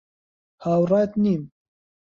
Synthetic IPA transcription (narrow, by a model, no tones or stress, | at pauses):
haːwraːt̪niːm